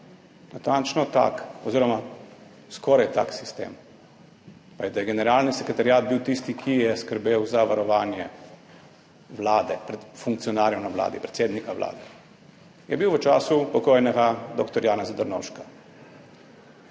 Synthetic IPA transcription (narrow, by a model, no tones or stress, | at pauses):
nat̪ant͡ʃnɔt̪a̰kɔziːɾɔma | skɔːɾajt̪a̰ksi̥st̪ḛːm | pajɛd̪ajɛɡɛnɛɾaːlnisɛkɾɛt̪aɾjaːd̪̚biwt̪ist̪ikʰijɛskəɾbeːwzaʋaɾɔʋaːnjɛ | ʋlaːd̪ɛpɾɛt̪fuŋkt̪sijɔnaːɾjɔwnaʋla̰ːd̪ipɾɛt̪seːd̪nikaʋlʔa̰ːd̪ɛ | jɛbiwʋət͡ʃaːsupɔkoːjnɛɡad̪ɔkt̪ɔɾjaːnɛzad̪ɔɾnɔ̰wʃka